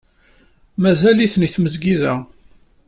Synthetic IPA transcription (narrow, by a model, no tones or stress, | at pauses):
mæzæliθniθməzɡiðæ